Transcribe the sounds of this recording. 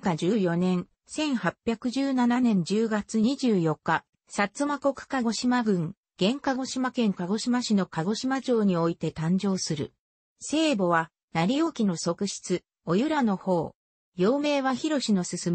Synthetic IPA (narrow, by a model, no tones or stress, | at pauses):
kad͡ʑɨːjo̞nẽ̞ɰ | sẽ̞ɰ̃hapʲːjakɯ̟ʑɨːnananẽ̞ɲ̟d͡ʑɨːɡat͡sɨɲ̟iʑɨːjo̞kːa | sat͡sɨmako̞kɯ̟̥kaɡo̞ɕimaɡɯ̟̃ŋ | ɡ̥ẽ̞ŋkaɡo̞ɕimakẽ̞ŋkaɡo̞ɕimaɕino̞kaɡo̞ɕimad͡ʑo̞ːɲ̟io̞it̪e̞t̪ãɲ̟d͡ʑo̞ːsɨɾɯ̟̰ | se̞ːbo̞βa | naɾʲijo̞ːkʲino̞so̞kɯ̟ɕi̥t͡sɨ | o̞jɯɾano̞ho̞ː | jo̞ːme̞ːβaçiɾo̞ɕino̞sɨsɨm